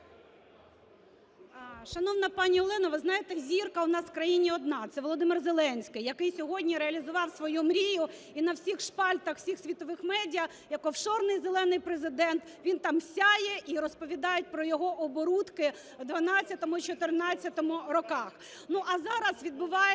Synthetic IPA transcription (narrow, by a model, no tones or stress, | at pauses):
ʃɐnɔwnɐpɑnʲiɔlˠɪnɐʋɪznɑjet̪ɛzʲirkɐʊnɑswkɾɐjinʲiɔd̪̚nɑt̪sɛʋɔlˠɔd̪ɪmɪrzelˠɛnʲsʲkɪjɐkɪjsʲɔɦɔdʲnʲiɾeɐlʲizʊʋɑwsʋɔjumɾʲijʊ | inɐwsʲixʃpɑlʲt̪ɐxwsʲixsʲʋʲit̪ɔʋɪxmɛdʲijɐ | jɐkɔwʃɔrnɪjzelˠɛnɪjpɾezɪd̪ɛnt̪ʋʲint̪ɑmsʲajɛʔiɾɔspɔʋʲid̪ɑjʊt̚ʲpɾɔjɔɦɔʔɔbɔɾut̪kɪ | d̪ʋɐnɑt͡sʲːɐt̪ɔmʊit͡ʃɔt̪ɪrnɑt͡sʲːɐt̪ɔmʊɾɔkɑx | nuʔɐzɑɾɐsʋʲid̪bʊʋɑj